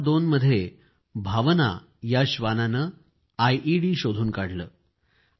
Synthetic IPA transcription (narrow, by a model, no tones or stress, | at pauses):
d̪onməd̪ʱːje | bʱaʋna̰ | jaɕʋananə | ajʔiɽiːɕod̪ʱuːnkaɽləː